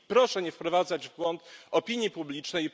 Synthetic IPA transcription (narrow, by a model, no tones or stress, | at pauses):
pɾɔʂɛɲɛfpɾɔvad̪zad͡ʑvɡwɔnt̪ɔpʲiɲjipublʲit͡ʂnɛj